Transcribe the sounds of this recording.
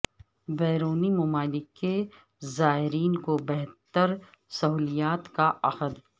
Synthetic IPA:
bɛːɾoːnimʊmaːlɪkːe | zaːɦɪɾiːnkobɛɦt̪əɾ | sɐɦuːlijaːt̪kaʔɐxəd̪

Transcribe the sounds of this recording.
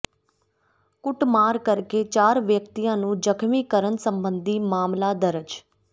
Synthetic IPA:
kʊʈmaːɾkəɾkeːt͡ʃaːɾʋjəkt̪ijãːnũːd͡ʒəkʰmiːkəɾənsəmbənd̪iːmaːmlaːd̪əɾəd͡ʒ

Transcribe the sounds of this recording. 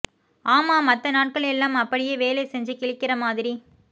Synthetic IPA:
aːmaːmɐt̪ːɐnaːʈ̚kɐɭɛlːaːmɐpːɐɽɪjeːʋeːleːsɛɲd͡ʒɯkɪɭɪkːɪrɐmaːðɪɾi

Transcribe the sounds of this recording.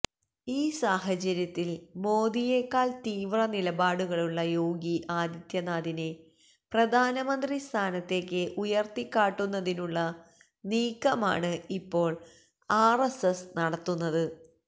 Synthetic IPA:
iːsaːɦɐt͡ɕɐɾjɐt̪ːilmo̞ːd̪ije̞kːaːɭt̪iːʋrɐnilɐbaːɽuɣɐɭuɭːɐjo̞ːɡiʔaːd̪ɐt̪jɐnaːd̪ine | prɐd̪ʱaːnɐmɐnd̪rist̪ʰaːnɐt̪ːe̞ːkːɨʔujɐrt̪ikːaːʈːunːɐðinuɭːɐ | niːkːɐma̰ːɳɨipːo̞ːɭ | aːresesnɐɽɐt̪ːunːɐðɨ

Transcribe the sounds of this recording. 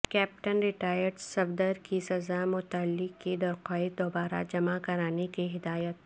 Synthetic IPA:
kɛːp̚ʈənɾɪʈaːjəɾɖsɐbd̪əɾkisɐzamʊt̪əlːɪkkːid̪ɐɾqɔːed̪oːbaːɾa̰d͡ʒɐmakɐɾaːnekiɦɪd̪aːjət̪

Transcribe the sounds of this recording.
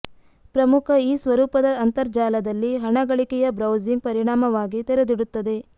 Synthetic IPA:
pɾɐmukʰɐiːsʋɐɾuːpɐd̪ɐːnt̪ɐɾd͡ʒaːlɐd̪ɐlːiɦɐɳɐɡɐɭikɛjɐbɾɐwziŋɡ̚pɐɾiɳaːmɐʋaːɡit̪ɛɾed̪iɽut̪ːɐd̪e̞

